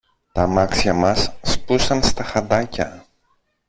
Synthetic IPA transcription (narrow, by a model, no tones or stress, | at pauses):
t̪ɐmɐksçɐmɐsːpusɐnst̪ɐxɐnd̪ɐcɐ